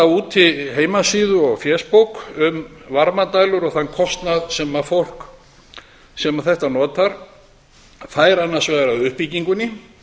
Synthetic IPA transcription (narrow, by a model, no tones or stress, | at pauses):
auːt̪ʰːɪɦeːjmasiːðʏɔɣfjɛspowkʏmvaɾmat̪aːjlʏɾɔɣθanːkʰɔst̪naðsɛmafowl̥k | sɛmaθɛht̪anɔːt̪aɾ̥ | faːjɾanːḁsvɛːɣaɾaðʏhpiciŋkʏnːɪ